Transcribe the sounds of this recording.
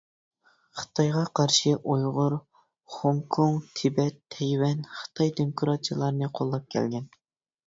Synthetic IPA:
χə̥t̪ʰɑjʁɑqʰɑɾʃɨʔujʁʊɾ | χoŋkʰuŋt̪ʰɪbɛt̪ʰːɛjwɛnχə̥t̪ʰɑjd̪yŋkʰuɾɑt͡ʃʰilˠɑɾnɨqʰolˠːɑp̚kʲʰɛ̰lɡʲɛn

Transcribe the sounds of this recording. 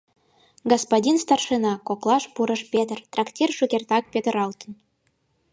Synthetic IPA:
ɡospodʲinst̪ɑrʃenɑkoklˠɑʃpuɾə̆ʃpʲet̪ərt̪rɑktʲirʃukʲert̪ɑk̚pʲet̪ə̆ɾɑlt̪ə̆n

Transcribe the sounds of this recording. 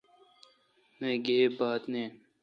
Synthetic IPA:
mẽːɡeːbaːt̪neː

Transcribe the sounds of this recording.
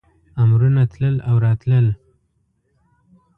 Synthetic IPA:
amɾunat̪ləlawɾɑt̪ləl

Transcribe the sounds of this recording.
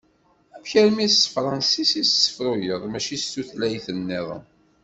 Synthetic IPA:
ævçəɾmisːfɾˤɑnsisissə̥fɾujəðˤmæʃist̪ːuθlæjθənːɪð̰ˤ

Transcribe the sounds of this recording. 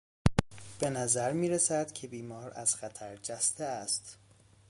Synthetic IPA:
b̥e̞næzæɾmiːɾesæd̪̥cʰe̞biːmɒːɾæ̰z̥xæt̪ʰæɾd͡ʒæst̪eæst̪

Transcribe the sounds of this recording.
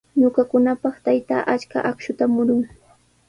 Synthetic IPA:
ɲʊkakʊnapɑχt̪ajt̪a̰ːʔat͡ʃka̰ʔakʃʊt̪amʊɾʊŋ

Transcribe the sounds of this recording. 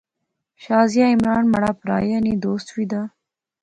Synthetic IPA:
ʃɑːzijaɪmɾɑːnmaɽaːpɾɑ̰ːjanid̪oːst̪wid̪a

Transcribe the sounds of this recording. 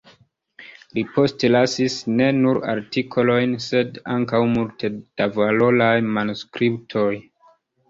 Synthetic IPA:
lipo̞stlasisne̞nuɾa̰ɾtikʰo̞lo̞jnse̞da̰ŋkawmultʰe̞d̥avalolajmanuskɾiptʰo̞j

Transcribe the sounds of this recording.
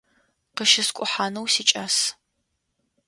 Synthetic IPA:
qəʃɪskʷʼʊħaːnɐwsiːt͡ʃʼɐs

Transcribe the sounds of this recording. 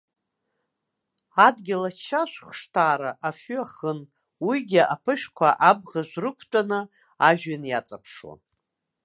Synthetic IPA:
adɡʲɪlat͡ʃʰːaʃʷχʂtʰaːɾaʔafyaχən | wiɡʲɪʔapʰɨʃᶣkʷʰaʔab̚ʁaʒʷrɨkʷʰtʼanɨ | aʒᶣanjat͡sʼapʰʂwa̰n

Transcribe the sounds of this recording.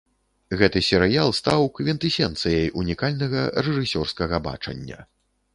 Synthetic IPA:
ɣɛt̪ɨsʲɛɾɨjalˠst̪awkvʲint̪ɨsʲɛnt̪sɨjɐjʔunʲikalʲnɐɣɐrɛʐɨsʲɔrskɐɣɐba̰t͡ʂɐ̰nʲːɐ̰

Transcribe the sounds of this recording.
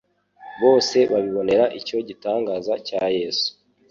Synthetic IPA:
βo̞ːse̞βaβiβo̞ne̞ɾaʔico̞ɟitaːŋɡaːzacaːje̞su̥

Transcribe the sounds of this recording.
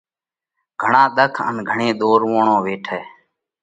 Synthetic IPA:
ɡʱəɳãːɗ̪əkʰə̰nɡʱəɳẽːɗ̪oːɾʋoːɳõːʋeːʈʰɛː

